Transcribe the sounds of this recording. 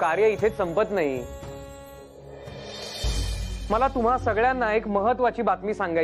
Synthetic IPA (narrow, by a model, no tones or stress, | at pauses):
kaɾjəit̪ʰesəmpət̪naɦi | məlat̪um̤asəɡɭjanːaekməɦət̪ʋat͡ɕiːbat̪miːsãŋɡa